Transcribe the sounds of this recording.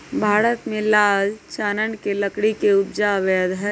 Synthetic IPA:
bʱaːɾət̪mẽlaːd͡ʒt͡ʃaːnənkeləkɽikeʊb̚d͡ʒaʋɛːd̪ɦɛ

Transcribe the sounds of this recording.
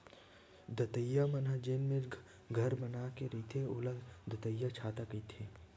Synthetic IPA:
d̪ɐt̪əjːamɐnad͡ʒeːnme | ɡʱɐɾbɐnaːkeɾit̪ʰeʊləd̪ɐt̪əjːat͡ʃʰaːt̪akəit̪ʰeː

